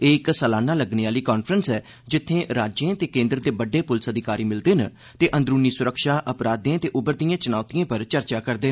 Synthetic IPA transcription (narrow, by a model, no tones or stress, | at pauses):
eːɪksəlaːnaːləɡneːaːliːkaːnpʰɾənsɛː | d͡ʒɪt̪ʰːẽːɾaːd͡ʒẽːt̪eːkẽːnd̪ɾd̪eːbəɖːeːpʊlɪsəd̪ʱɪkaːɾiːmɪld̪eːn | t̪eːʔə̃nd̪ɾuːniːsʊɾəkʃaːʔəpɾaːd̪ẽːt̪eːʔʊbəɾd̪ijãːt͡ʃʊnaːt̪ijãːpəɾt͡ʃəɾt͡ʃaːkəɾd̪eː